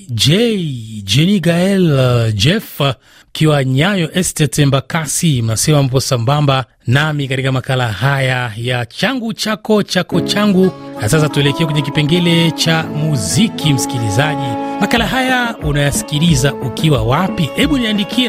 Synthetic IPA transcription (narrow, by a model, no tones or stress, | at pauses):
d͡ʒɛid͡ʒɛniɡaɛld͡ʒɛfa | ukiwaɲajɔʔɛstɛtɛmbakasimasɛmam̩pɔsambamba | namikatikamakalahajajat͡ʃaŋɡut͡ʃakɔt͡ʃakɔt͡ʃaŋɡunasasatuɛlɛkɛkwɛɲɛk̬ipɛŋɡɛlɛt͡ʃamuzikʰim̩si̥kilizaʄimakalaɦajaunajasi̥kilizaukʰiwawapihɛɓuniandikʰiɛ